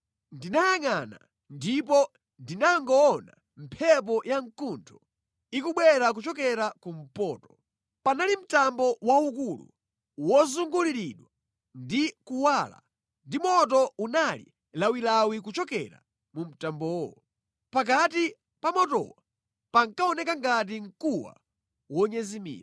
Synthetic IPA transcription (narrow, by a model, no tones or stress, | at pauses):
ndinajaŋana̰ | ndipɔ | ndinaŋɡɔːna̰ | m̩pʰɛp̬ɔjaŋkuntʰɔ | ikuɓwɛɾak̬ut͡ʃɔkɛɾakum̩pɔːtɔ̥ | panalim̩tambɔwaukulṵ | wɔzuŋɡuliɾiɗwa | ndikuwaːla̰ | ndimɔt̬ɔunalḭ | lawilawik̬ut͡ʃɔkɛ̰ɾa̰ | mum̩tambɔɔ | pak̬ati | pamɔtɔ̰wa | paŋkaɔnɛkaŋɡat̬iŋkuwa̰ | wɔɲɛzimḭːɾa